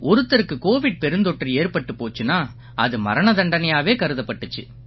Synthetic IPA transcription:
ʊɾɯt̪ːɐɾɯkːɯkoːʋɪɖ̚pɛɾɯnd̪ɔʈːrieːɾpɐʈːɯpoːt͡ʃːɯnaː | ɐðɯmɐɾɐnɐd̪ɐɳɖɐnɐjaːʋeːkɐɾɯðɐpːɐʈːɯt͡ʃːɯ

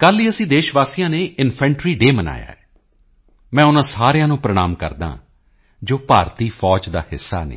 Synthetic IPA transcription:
kəliːəsĩːd̪eːʃʋaːsijãːneːɪnpʰɛ̃ːɳʈɾiːɖeːməna̰ːja̰ːɛː | mɛ̃ːʊnãːsaːɾjãːnũːpɾəɽ̃aːmkə̰ɾd̪ã̰ː | d͡ʒoːpaːɾt̪iːpʰɔːd͡ʒd̪a̰ːhɪ̰sːa̰ːnḛː

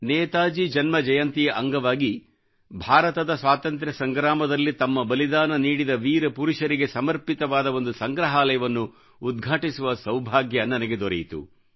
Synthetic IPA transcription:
nɛːt̪aːd͡ʒid͡ʒɐnmɐd͡ʒɐjɐnt̪ijɐʔɐŋɡɐʋaːɡi | bʱaːɾɐt̪ɐd̪ɐsʋaːt̪ɐnt̪ɾɐsɐŋɡɾaːmɐd̪ɐlːit̪ɐmːɐbɐlid̪aːnɐniːɽid̪ɐʋiːɾɐpuɾuʃɐɾiɡe̞sɐmɐɾpit̪ɐʋaːd̪ɐʋo̞nd̪usɐŋɡɾɐɦaːlɐjɐʋɐnːuː | d̪ɡʱaːʈisuʋɐsɐwbʱaːɡjɐnɐnɐɡe̞d̪ɔɾɛ̰jt̪ṵ

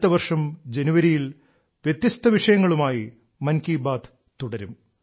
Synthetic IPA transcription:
t̪ːɐʋɐrʂɐmd͡ʑenuʋɐɾijil | ʋjet̪ːjist̪ɐʋiʂɐjɐŋːɐɭumaːji | mɐnkiːbaːd̪ʰ | t̪ːuɽɐɾum

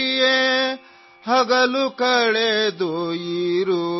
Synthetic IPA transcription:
ije | hɐɡɐlukɐɽed̪ujiɾu

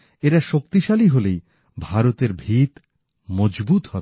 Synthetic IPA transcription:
eɾaʃokt̪iʃaliɦolej | bʱaɾot̪eɾbʱit̪ | mɔd͡ʑbut̪ɦɔbe

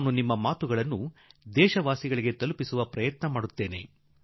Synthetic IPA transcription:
nunimːɐmaːt̪uɡɐɭɐnːud̪ɛːʃɐʋaːsiɡɐɭiɡe̞t̪ɐlupisuʋɐpɾɐjɐt̪nɐmaːɽut̪ːe̞ːne̞̰

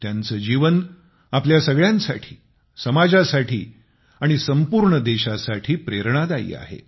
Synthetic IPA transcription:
t̪jant͡səːd͡ʑiʋən | apljasəɡɭjãnsa̰ʈʰi̥ː | səmad͡zasaʈʰiː | aɽ̃isəmpuɾɳəd̪eɕasaʈʰiːpɾeɾɳ̃ad̪aḭːa̰ɦḛ

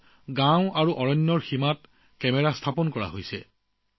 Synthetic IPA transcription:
ɡãw̃aɹuʔɔɹɔnjɔɹximat | kɛmɛɹastʰapɔnkɔɹa̰ɦojsɛ̰

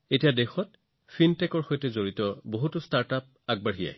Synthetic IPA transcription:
etijadɛxɔt̚ | fʰintɛkɔɹxojtɛzoɹitɔboɦutʊstaɹtap̚aɡ̚baɹɦija̰j

